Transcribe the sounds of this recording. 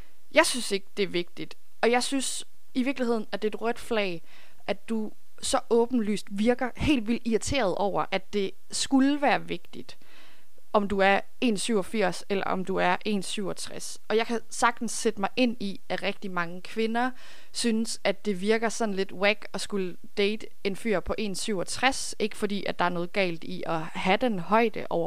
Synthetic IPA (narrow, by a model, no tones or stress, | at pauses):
jɑ̈ɪsynse̝ɡ̥əd̥e̝ʋe̝ɡ̥̚d̥id̥ | ɒ̽jɑ̈ɪsyns | iʋiɐɡlihe̝ð̞̰ˠn̩æd̥e̝ːd̥ʁœd̥flɛ̰ːɪ | ʔæd̥u | sɒ̽ʔɔ̽ːb̥n̩ly̰ːsd̥ʋiɐɡ̥ɐhe̝̰ːld̥ʋil̰d̥iɐt͡sʰe̝̰ːɐð̞̩ˠʔɒʊ̰ɐʔæd̥e̝ | sɡ̥ulʋæːɐʋe̝ɡ̥d̥id̥ | ʔɒ̽md̥uæɐ | e̝̰ːnsyʊ̰ɒfiɐ̰selɐʔɒ̽md̥uæɐʔe̝̰ːnsyʊɒ̽t͡sʰʁas | ɒ̽jɑ̈ɪkʰæ | sɑ̈ɡ̥̚d̥n̩sed̥əmɑ̈ɪʔe̝n̰i | æʁɛɡ̥̚d̥imɑ̈ŋəkʰʋe̝nɐ | synəsæd̥e̝ʋiɐɡ̥ɐsɒ̽nle̝d̥ʁeɡ̥ɒ̽sɡ̥ul | d̥eɪd̥ə | e̝nfy̰ɐ̰pʰɒ̽ʔe̝̰ːnsyʊ̰ɒt͡sʰʁas | ʔe̝ɡ̥əfɒ̽dḭːæd̥ɑ̈æɐnɔ̽ːð̞̩ˠɡ̥ɛ̰ːld̥iʔɒ̽ | hæd̥enɦɒ̽ɪ̰d̥əʔɒʊɐ